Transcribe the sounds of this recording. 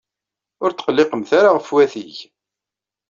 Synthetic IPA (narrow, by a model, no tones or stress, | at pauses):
ʊɾt̪ːə̥qəlːɪqəmθaɾaʁəfwæθiʝ